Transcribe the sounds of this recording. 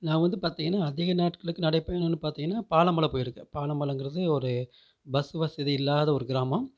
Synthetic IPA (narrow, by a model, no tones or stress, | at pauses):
nãːʋɐnd̪ɯpaːɾt̪iːŋɡɐnːaːɐðɪɣɐnaːʈkɐɭɯkːɯnɐɽɐɪpːeːnʊ̃nːɯpaːɾt̪iŋɡɐnːaːpaːlɐmɐlɐpoːjɪɾɯkːɛ̃paːlɐmbɐɭɯŋɡɪɾɐðɯɔɾɯ | bɐsɯʋɐsɐðiɪlːaːðɐɔɾɯɡɪɾaːmɐ̃